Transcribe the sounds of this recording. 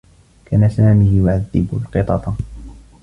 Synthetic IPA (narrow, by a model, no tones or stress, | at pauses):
kaːnasaːmiːjʊʕaðːɪbʊ̰lqɨt̪ˤɑt̪ˤ